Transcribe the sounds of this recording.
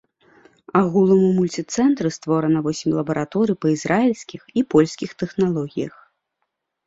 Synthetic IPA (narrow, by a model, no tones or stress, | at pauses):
aɣulˠɐmumulʲt͡sʲit̪sɛnt̪ɾɨst̪vɔɾɐnɐvɔsʲimʲlˠɐbɐɾat̪ɔɾɨjpɐizɾailʲsʲkʲixipɔlʲsʲkʲixt̪ɛxnalˠɔɣʲijɐx